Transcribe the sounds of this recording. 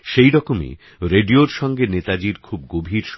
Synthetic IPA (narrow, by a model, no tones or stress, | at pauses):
ʃejɾɔkomḭ | ɾeɖioɾʃɔŋɡenet̪ad͡ʑiɾkʰub̚ɡobʱiɾʃ